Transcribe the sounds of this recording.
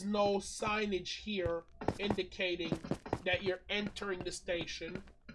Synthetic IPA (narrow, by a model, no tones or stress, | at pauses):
znoʊsãɪ̃nɨ̥d͡ʒ̥hiɹɪ̃ndɨkʰeɪɾɪ̃ŋðɨt͡ʃə˞ɛ̃ntʰə˞ɪ̃ŋðɨsteɪʃɨ̃n